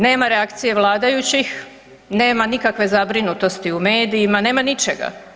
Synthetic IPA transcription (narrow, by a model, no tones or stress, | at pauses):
ne̞ːmaɾeakt̪sije̞ʋlˠaːd̪ajut͡ɕix | ne̞ːmanikakʋe̞zabɾinut̪o̞st̪iume̞ːd̪iːmane̞ːmanit͡ʃeɡa̰